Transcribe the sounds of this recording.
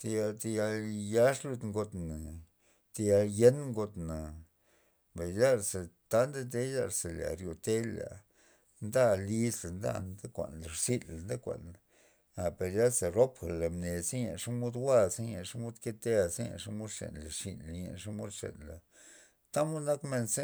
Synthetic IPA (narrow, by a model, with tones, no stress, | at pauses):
t̪e˧ja˧t̪e˧ja˧lja˦ʂlu˧d̪ŋɡo˧t̪na˨ | t̪e˧ja˧lje˦nŋɡo˧t̪na˨ | ba˨ja˦ɾsa˨t̪a˦nd̪a˦t̪e˦ja˦ɾse˨la̰˨ɾjo˨t̪e˦la̰˨ | nd̪a˦li˦sla˨nd̪a̰˦nd̪a˦kʷa̰˨nla˨ɾsi˦la˨nd̪a˦kʷa̰˨n˨ | a˨pe˨ɾja˦lsa˨ɾo˦pxa˨la˨mne˨se˦ɲa̰˨ʂa˦mo˦d̪wa˦se˦ɲa̰˨ʂa˦mo˦d̪ke˦t̪e˦a˨ze˦ja̰˨ʂa˦mo˦d̪ʂḛ˨nla˨ʂḭ˧˨na˨ɲa̰˨ʂa˦mo˦d̪ʂḛ˨nla˨ | t̪a˦mo˦d̪na˦kme˧nse˦